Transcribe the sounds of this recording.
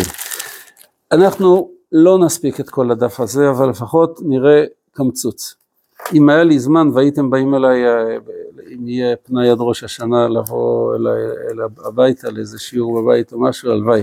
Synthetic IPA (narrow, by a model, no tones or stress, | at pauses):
anaχnu | lo̞naspiket̪ko̞ladafaze̞avalːefaχo̞tniʁe̞ | kamt͡sut͡s | imajalizmanvaitembaimelaj | imijepnajad̪ʁo̞ʃaʃanalavo̞̰ḛlajelaabajtaleezeʃiuʁbabaitomaʃualvaj